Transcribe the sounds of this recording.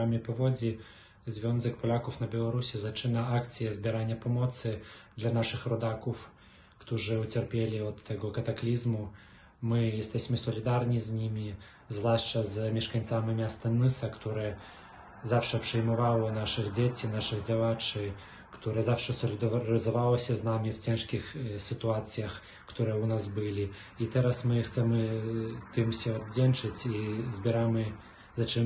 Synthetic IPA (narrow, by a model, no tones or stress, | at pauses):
amʲipɔvɔd͡zʲi | zʲvʲɔnzɨkpɔlʲakɔfnɐbʲɛlˠaɾusʲizat͡ʂɨnɐakt̪sɨjɐzʲbʲiɾanʲːɐpɔmɔt̪sɨd̪lʲɐnaʂɨxrɔd̪akɔf | kt̪ɔʐɨut͡sʲɛrpʲelʲiɔt̪ːaɣɔkɐt̪aklʲizmu | mɨjast̪ɛsʲmɨsɔlʲid̪arnʲizʲnʲimʲi | zlˠaʂt͡ʂɐzmʲiʂkanʲt̪samʲɨmʲast̪ɐnɨsɐkt̪ɔɾɨɛ | zawʂɐpʂɨjmavawˠɔnaʂɨɣd͡zʲet͡sʲinaʂɨɣd͡zʲavat͡ʂɨ | kḁt̪uɾɨzawʂɐsɔlʲid̪ɾɐzɐvaw̪ˠɔsʲɐznamʲiwt͡sʲɛnʂkʲixsʲɨt̪uat̪sɨjɐx | kḁt̪uɾɨjɛwnazbɨlʲi | it̪ɛɾɐsmɨxt͡s̪ɛmɨt̪ɨmsʲɔɐd͡zʲɛnt͡ʂɨt͡sʲizʲbʲɛɾamɨ | zɐt͡ʂɨm